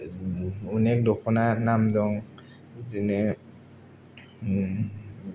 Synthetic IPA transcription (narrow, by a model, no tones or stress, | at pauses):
unɛk̚dɔkʰɔnanamdɔŋ | zinɯ